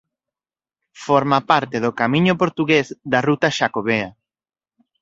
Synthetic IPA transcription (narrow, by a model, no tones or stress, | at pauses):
foɾmapaɾt̪eðokamĩɲʊpoɾt̪uɣezd̪ɐrut̪aʃakoβea